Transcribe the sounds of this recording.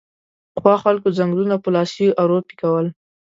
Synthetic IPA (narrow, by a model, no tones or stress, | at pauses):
xwɑxalkozaŋɡlunapəlɑsiʔaɾopi̥kawəl